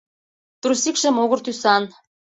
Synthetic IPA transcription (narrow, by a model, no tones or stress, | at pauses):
t̪rusikʃə̆moɣɤ̆rt̪ysɑn